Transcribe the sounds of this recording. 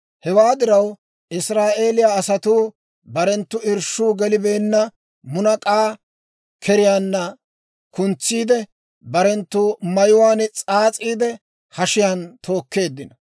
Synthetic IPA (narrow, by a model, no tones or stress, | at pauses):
hɛwaːd̪ɪɾɐw | ʔɪsɾaːʔe̞ːlɪjaːsɐt̪uː | bɐɾɛnt̪ːʊɪɾʃuːɡɛlɪbe̞ːnːɐ | mʊnɐkʼaː | kʰɛɾɪjaːnːɐ | kʊnt͡sːiːd̪ɛ | bɐɾɛnt̪ːʊmɐjʊwaːnt͡sʼaːt͡sʼiːd̪ɛ | hɐʃɪjant̪ʰo̞ːkːe̞ːd̪ːɪnɐ